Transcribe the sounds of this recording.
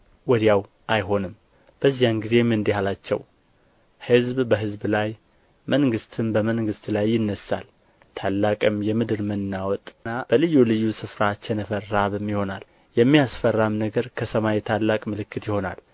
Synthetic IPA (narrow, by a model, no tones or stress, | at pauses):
wɔd̪jaw | ʔajɦo̞nɨm | b̥əzːijanɡize̞mɨnd̪ihalat͡ʃːɛ̰w | hɨzbbəɦɨzblaj | məŋɡɨst̪ʰɨnbəməŋɡɨst̪lajːɪnːəsːa̰l | t̪ʰalːakʼɨmjɛmɨd̪ɨɾmɨnːawɔt̪ʼnab̥əlɨjːulɨjːusɨfɾat͡ʃːɛnəfərːaβɨmːɪho̞nal | jɛmːijasfərːamnəɡəɾkʰəsəmajɛt̪ʰalːakʼmɨlɨkːɨt̪jɪho̞na̰l